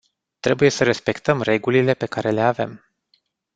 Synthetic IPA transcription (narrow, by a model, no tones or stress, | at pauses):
t̪ɾe̞buje̞səɾe̞spe̞kt̪əmre̞ɡulile̞pe̞kaɾe̞le̞ave̞̰m